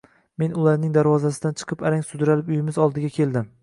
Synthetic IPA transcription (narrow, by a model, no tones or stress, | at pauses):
me̞nʊlaɾnɪŋd̪aɾvɒzasɪd̪ant͡ʃʰɨ̥qʰɨpaɾaŋʲsʊd̪ɾalɪpʊjɪmɪzɒlˠd̪ɪɡʲakʲʰe̞lˠd̪ɪm